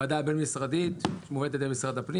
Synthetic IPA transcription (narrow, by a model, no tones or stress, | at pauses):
ad̪abenmisʁad̪it̪ʃemoved̪t̪et̪emisʁad̪apni